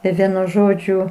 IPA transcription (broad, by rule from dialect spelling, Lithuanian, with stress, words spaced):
ɪ ˈʋʲiɛnʊ ˈʒoːd͡ʒʲʊ